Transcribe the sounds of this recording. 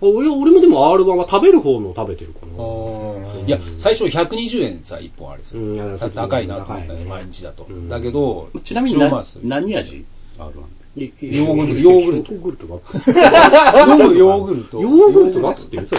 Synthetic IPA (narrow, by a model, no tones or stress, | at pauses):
aoɾeaoɾemod̪e̞mo̞aːɾɯ̟bãβat̪abe̞ɾɯ̟ho̞ːnoːt̪abe̞t̪e̞ɾɯ̟kʰono | jasaiɕo̞çʲakɯ̟ɲiʑɨːẽ̞̰nsa̰ḭpːõa̰ɾe̥sɨ̥at̪akainad̪anemaiɲ̟it͡ɕid̪at̪o̞d̪ake̞d̪o̞mat͡ɕinamʲiɲiɲiaa | naɲ̟iaʑḭ | joːɡɯɾɯjoːɡɯ̟ɾɯɡɯɾɯt̪oɡat͡s | ojoːɡɯ̟ɾɯt̪ojoːɡɯ̟ɾɯt̪oɡ̪at͡sɨ̥t̪ːeɯ